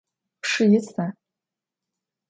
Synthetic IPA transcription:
pʰʂɨjɪt͡sʰa

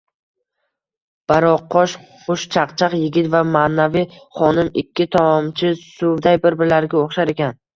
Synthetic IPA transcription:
b̥aɾɒqʰːɒʃχʊʃt͡ʃʰaqt͡ʃʰaqjɪɡʲɪt̪vamaːnavijχɒnɪmɪkʲːɪt̪ʰaɒmt͡ʃʰɪsʊd̪ajbɪɾbɪɾlaɾɡʲaoχʃaɾe̞kʲʰan

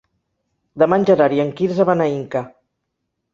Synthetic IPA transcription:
d̪əmanʲʒaɾaɾiaŋkiɾzaβanaiŋka

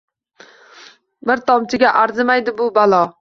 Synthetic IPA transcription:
bɪɾt̪ʰɒmt͡ʃ̪ʰɪɡʲaʔaɾzɪmajd̪ɪbʊbalˠɒ

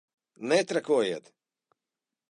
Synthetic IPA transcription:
nɛt̪ɾakuɔjeːt̪

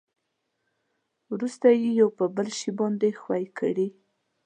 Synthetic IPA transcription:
wɾust̪ajejawpəbəlʃibɑnd̪exwajkʰə̰ɽi

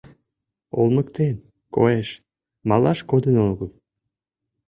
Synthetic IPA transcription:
o̰lməkt̪en | ko̰eʃ | mɑlɑʃkod̪ənoɣəl

